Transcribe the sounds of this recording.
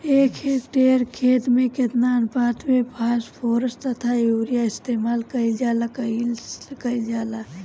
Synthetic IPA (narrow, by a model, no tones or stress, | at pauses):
eːkʰekʈeːɾkʰeːt̪mẽket̪nanpaːt̪ʰmẽbʰʱaːspʰoːɾəst̪ət̪ʰaoːɾijaɪst̪eːmaːlkɐild͡ʒaːlakɐikɐid͡ʒaːla